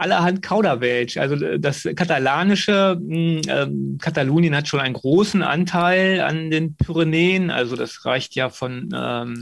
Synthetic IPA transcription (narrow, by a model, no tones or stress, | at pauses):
ʔalɐɦantkʰaʊɾɐvɛlçʔa̰lzodaskʰatalaːnɪʃəʔɛ̰ːkʰataluːnjənhatʃoːnʔaɪnɡʁoːsn̩ʔa̰ntʰaɪla̰ndeːnpʰyʁeneːənʔa̰lzoda̰sʁa̰ɪçtʰjaːfɔnɛ̰ːm